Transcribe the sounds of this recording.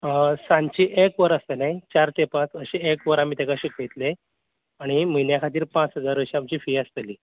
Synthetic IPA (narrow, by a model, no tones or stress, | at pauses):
əsãɲt͡ɕiːʔekʋəɾəst̪enajt͡ɕaɾt̪epãt͡səɕeekʋəɾam̤iːt̪ekaɕiket̪le | aɽ̃im̤əjnjakʰat̪iːɾpãt͡sɦəd͡zaɾʋəɕiamt͡ɕiːfiːəst̪əliː